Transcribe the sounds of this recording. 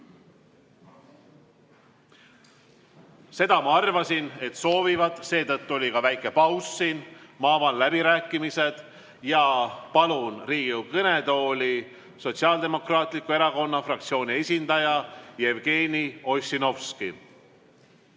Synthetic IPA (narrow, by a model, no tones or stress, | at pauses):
se̞d̪ɑmɑɑrvɑsine̞t̪so̞ːvivɑd̪se̞ːt̪ɤt̪ːuo̞lʲikɑvæjkːˑe̞pɑwsːinmɑɑvɑnlæb̥iɾæːkːˑimise̞d̪̥ | jɑpɑlunriːɡukɤne̞d̪o̞ːlʲi | so̞t̪ʲsiɑːld̪e̞mo̞krɑːt̪ˑlikːˑue̞ɾɑko̞nːɑfrɑkt̪sio̞ːnʲie̞sʲind̪ɑjɑje̞vɡ̥e̞ːnio̞sino̞fski